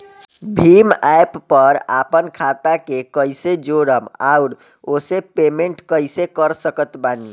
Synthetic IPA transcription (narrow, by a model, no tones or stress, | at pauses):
bʱimajpːəɾa̰pənkʰat̪akekəjsed͡ʒoɾəma̰uɾ | osepemeɳʈkəɪsekəɾsəkət̪bani